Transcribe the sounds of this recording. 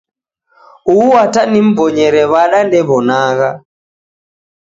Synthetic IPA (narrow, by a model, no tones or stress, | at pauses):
uːwatanim̩bɔɲɛɾɛβaɗandɛβɔnaɣa